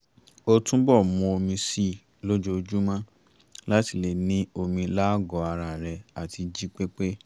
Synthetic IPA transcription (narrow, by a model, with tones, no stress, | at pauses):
o˧tũ˦bɔ˦˨mɔ̃˧o˧mĩ˧si˦˨ | lo˦d͡ʒo˧˦˧d͡ʒu˦mã˦ | la˦ti˧˨le˨nĩ˦o˧mĩ˧la˦ɡɔ˨˧a˧ɾa˨ɾɛ˧a˨tʰi˧d͡ʒi˦k͡pe˦k͡pe˦